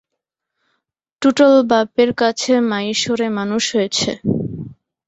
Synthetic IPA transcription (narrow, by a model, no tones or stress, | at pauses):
ʈuʈolbapeɾkat͡ɕʰemajʃoɾemanuʃɦojet͡ɕʰḛ